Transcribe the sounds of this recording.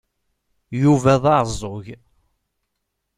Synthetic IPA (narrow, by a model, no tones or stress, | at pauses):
juvæðˤɑɾzˤːʊʝ